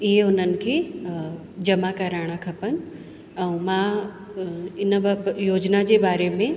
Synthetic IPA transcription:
ɪɦeʊn̤ənɪ̆kʰe | d͡ʑɐmakɐɾaːɽ̃akʰɐpənɪ̆ | ɛũmã | ɪnjoːd͡ʑnad͡ʑebaːɾemẽ

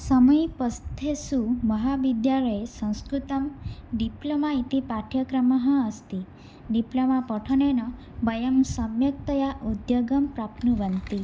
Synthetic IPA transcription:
sɔmɔjpɔst̪ʰesumɔɦabid̪jalɔjesɔ̃w̃skɾut̪ɔmɖiplomait̪ipaʈʰjɔkɾɔmɔɦɔ̃ːst̪i | ɖiplɔmapɔʈʰɔnenɔ | bʌjəmsɔmjɔk̚t̪ɔjaʔud̪joɡɔmpɾapnubant̪i

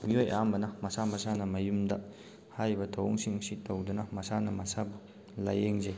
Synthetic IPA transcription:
miojambɐnɐmɐsamɐsanɐmɐjumdɐ | hajbɐtʰowŋsiŋsitowdunɐmɐsanɐmɐsabu | lajeŋzej

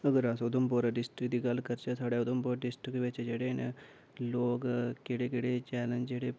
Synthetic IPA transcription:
əɡəɾasod̪omp̬oːɾaɖɪsʈɾikd̪iːɡɐlkəɾt͡ʃesʰaːɽeʊd̪ompoːɾɖɪsʈɾikʋet͡ʃd͡ʒeːɽen | loːɡkeɽekeɽet͡ʃɛːlənd͡ʒd͡ʒeːɽe

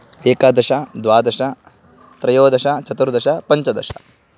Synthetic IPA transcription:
eːkad̪ɐʃad̪ʋaːd̪ɐʃɐ | t̪ɾɐjoːd̪ɐʃat͡ʃɐt̪uɾd̪ɐʃɐpɐɲt͡ʃɐd̪ɐ̰ʃɐ̥̰

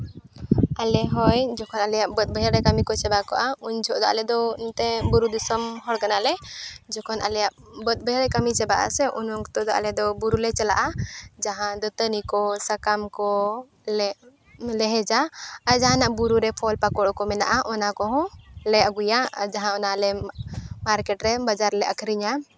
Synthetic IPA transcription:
alɛɦɔjd͡ʒɔkʰɔnalɛjaʔbət̪̚ˀbəɦɛɾɛkamikɔt͡ʃɛbakɔʔaund͡ʒʰɔʔd̪ɔʔa̰lɛd̪ɔnt̪ɛbuɾud̪usɔmhɔɽkanalɛd͡ʒɔkʰɔnʔa̰lɛjaʔ | bət̪̚bəɦɛɾɛkamit͡ʃɛbaʔa̰sɛʔunɔŋkt̪ɔd̪ɔʔa̰lɛd̪ɔbuɾulɛt͡ʃɛla̰ʔad͡ʒaɦãd̪ɔt̪ənikɔsakamkɔ | lɛ | lɛɦɛd͡ʒaaɾd͡ʒaɦãnaʔbuɾuɾɛpʰɔlpakɔɽkɔmɛna̰ʔaʔɔnakɔɦɔ̃lɛaɡujad͡ʒaɦãɔnalɛmaɾkɛʈɾɛbad͡ʒaɾlɛʔəkʰɾiɲa

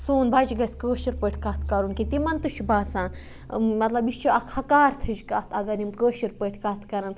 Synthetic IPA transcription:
suːnbɐd͡ʒɡɐsʲkəːʃiɾpəʈʰʲkɐt̪ʰkɐɾunkit̪imɐnt̪uʃʰbaːsaːn | mɐt̪lɐbiʃt͡ʃʰuɐkʰɐkaːɾt̪ʰɨd͡ʒkaːt̪ʰɐɡɐɾimkəːʃiɾpəːʈʰʲkɐt̪ʰkɐɾɐn

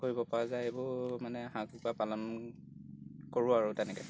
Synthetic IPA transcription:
koɹibɔpaɹazajebʊmanɛɦãkupapalɔn | koɹʊaɹʊtɛnɛkɛ

